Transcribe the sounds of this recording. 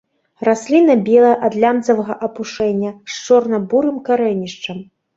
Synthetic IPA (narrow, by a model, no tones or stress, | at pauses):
rasʲlʲinɐbʲɛlˠɐjʔɐd̪lʲand̪zɐvɐɣɐʔɐpuʂɛnʲːɐʂt͡ʂɔrnɐbuɾɨmkaɾɛnʲiʂt͡ʂɐm